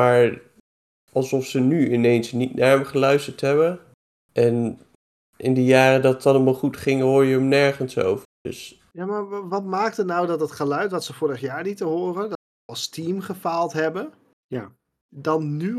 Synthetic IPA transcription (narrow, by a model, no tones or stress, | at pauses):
maːɹ | ʔɑlˠsɔfsənyɪnejnsnitnaɹɛmχəlœɥstəɹtɦɛbə | ʔɛn | ʔɪndijaːrədɑtɑnɔmɑχutχɪŋɦoːɹjəəmnɛɹχənso̰wvədɵ̰s | jaːmaːɹʋɑtmaːk̚tənawdɑtdɑtχəlœɥtʋɑtsəfʊːɾəχjaːɹnitəɦʊːrənd | ɑlˠstimχəfaːlˠtɦɛbə | ja | dɑnny